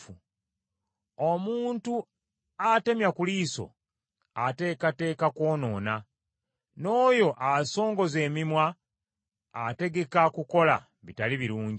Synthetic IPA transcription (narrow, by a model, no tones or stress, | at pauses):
u | omuːntu | ate̞mjakuliːso̞̰ | ate̞ːkate̞ːkako̞ːno̞ːna | no̞ːjo̞ʔaso̞ːŋɡo̞ze̞ːmimwaː | te̞ɡe̞kakuko̞la̰ | βitaliβiɾuːɲ